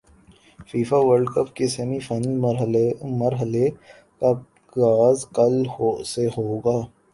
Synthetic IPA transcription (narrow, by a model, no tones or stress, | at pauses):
fiːfaʋəɾɖkəpkesemifɐnɾɦməɾɦəle | ka | ɡaːzkɐlhoseɦoːɡaː